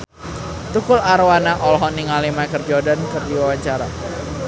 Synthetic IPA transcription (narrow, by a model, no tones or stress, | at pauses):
t̪ukʊlaɾwanaʔɔlɦɔniŋalimakərd͡ʒɔdankɨrdiwawaɲt͡ʃaɾa